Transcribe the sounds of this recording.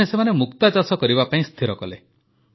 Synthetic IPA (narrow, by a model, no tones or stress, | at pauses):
esemanemukt̪ad͡ʒasɔkɔɾibapaĩst̪ʰiɾɔkɔle